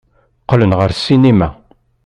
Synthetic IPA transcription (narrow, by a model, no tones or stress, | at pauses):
qːlənʁəɾsːinimæ